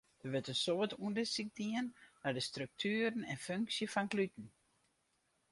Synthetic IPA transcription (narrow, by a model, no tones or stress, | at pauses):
d̥əʋətəsoʋətuəndəsik̚diənnadəstrøk̚tʰyːəɾənɛnføŋksjəfɔnklytn̩